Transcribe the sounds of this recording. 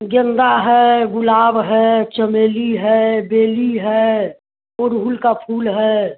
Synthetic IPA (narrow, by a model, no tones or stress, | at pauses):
ɡə̃nd̪aɦɛːɡʊlaːbɦɛːt͡ʃəmeːliɦɛbeːliɦɛː | ʊɾɦuːlkapʰuːlɦɛː